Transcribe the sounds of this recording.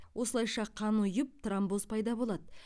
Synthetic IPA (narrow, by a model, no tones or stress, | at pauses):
wʔo̞səlˠɑjʃɑqʰɑnʊjəp̚t̪ʰrambozpʰɑjd̪ɑbo̞lˠɑd̪ə